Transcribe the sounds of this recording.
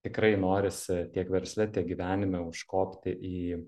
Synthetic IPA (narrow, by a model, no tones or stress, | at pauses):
t̪ʲɪkɾɐɪnoːɾʲɪst̪ʲiɛkʋʲɛɾʲsʲlʲɪt̪ʲiɛɡʲiʋʲæːnʲɪmʲɛʊʃkoːpʲt̪ʲɪʔiː